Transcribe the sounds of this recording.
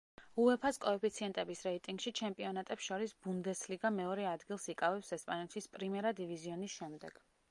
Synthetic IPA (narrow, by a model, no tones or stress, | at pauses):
uɛpʰaskʼɔɛpʰit̪sʰiɛnt̪ʼɛbisɾɛit̪ʼiŋɡʃit͡ʃʰɛmpʼiɔnat̪ʼɛpsʃɔɾisb̥und̪ɛsliɡamɛɔɾɛad̪ɡilˠsikʼavɛpsɛspʼanɛt̪ʰispʼɾimɛɾad̪iviziɔnisʃɛmd̪ɛ̰ɡ̥